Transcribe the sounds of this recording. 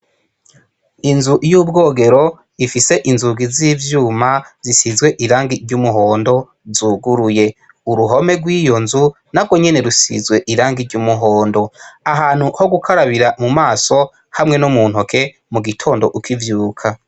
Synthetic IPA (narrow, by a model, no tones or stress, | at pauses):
inzuʔijuːbɡo̞ːɡe̞ɾo̞ | ifise̞ʔinzuɡiziːvjuːmazisizɡwe̞ʔiɾaːŋɡiɾɟumuɦo̞ːndo̞ | zuɡuɾuje̞ | uɾuɦo̞me̞ɡwiːjo̞nzu | naɡwo̞ɲe̞ne̞ɾusḭzɡwe̞ʔiɾaːŋɡiɾɟumuɦoːndo̞aɦaːn̥huho̞ɡukʰaɾaβiɾamumaːso̞ | hamŋe̞nomuːn̥hokʰe̞ | muɡitʰo̞ːndo̞ʔukʰivjuːkʰa